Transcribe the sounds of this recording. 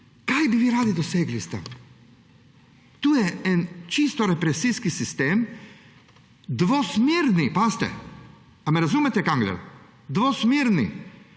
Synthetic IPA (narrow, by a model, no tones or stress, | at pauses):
kajbiʋiːɾaːd̪id̪ɔseːɡlist̪ɛ̰ | t̪uːjɛɛnt͡ʃist̪ɔɾɛpɾɛsiskisist̪eːm | d̪ʋɔsmiɾnipast̪ɛ̰ | amɛɾazuːmɛt̪ɛkaŋɡlɛ̰l | d̪ʋosmiɾnḭ